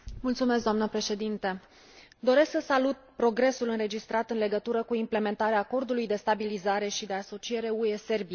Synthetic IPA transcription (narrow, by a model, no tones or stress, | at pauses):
mult̪sumes̬ɡd̪oamnəpɾe̞ʃe̞d̪int̪ə | d̪o̞ɾe̞sksəsalut̪̚pɾo̞ɡɾe̞sulɨnɾe̞d͡ʒist̪ɾat̪ɨnle̞ɡət̪uɾəkuimple̞me̞nt̪aɾeaːko̞rd̪ulujd̪e̞st̪abilizaɾe̞ʃid̪e̞aso̞t͡ʃie̞ɾe̞ue̞se̞rbi